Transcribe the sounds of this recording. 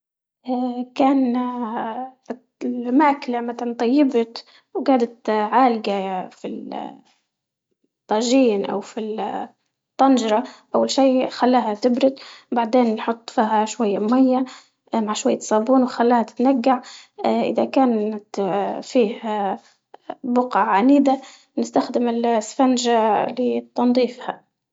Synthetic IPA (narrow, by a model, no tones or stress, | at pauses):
ʔakaːn | lmaːklamat̪nt̪ˤɑjːɪbt̪ | wɡaːd̪at̪ʕaːlɡafi | t̪ˤːɑːʒiːnʔa̰wfi | t̪ˤːɑnʒɾˤɑʔawːalʃiːxalːaːhat̪ɪbɾɪt̪baʕd̪eːnːħʊt̪ˤːfiːɦaʃwajːamajːa | maʕʃwajːat̪sˤɑːbuːnwxalːaːhat̪ɪ̥t̪naɡːaʕʔɪ̰ðakaːnat̪fiːha | bʊqaʕaniːd̪a | nɪst̪axd̪ɪmɪlsfand͡ʒalɪt̪ːɑnd̪ˤiːfha